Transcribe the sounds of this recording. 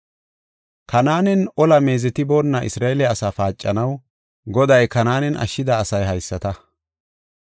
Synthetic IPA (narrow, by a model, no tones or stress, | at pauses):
kʰɐnaːnɛnɔlɐme̞ːzɛt̪ɪboːnːɐʔɪ̰sɾaːɛlɛɐsaːfaːt͡ʃʼːɐnɐw | ɡɔd̪ɐjkɐnaːnɛnʔɐ̰ʃːɪd̪ɐːsɐjɦɐjsːɐt̪ɐ